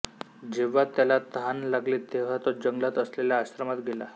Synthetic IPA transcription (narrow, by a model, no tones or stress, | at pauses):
d͡ʑeʋ̤at̪jalat̪ɦanlaɡlet̪eʋ̤at̪ɔɾd͡ʑəŋɡlat̪əsleljaːɕɾəmat̪ɡʱela̰